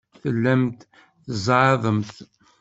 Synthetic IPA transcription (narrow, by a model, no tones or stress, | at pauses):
θəlːæmt̪ | θəzˤʕɑðˤəmθ